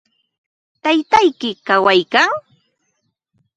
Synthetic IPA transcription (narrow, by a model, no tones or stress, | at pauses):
t̪ajt̪ajkɪkawajkaŋ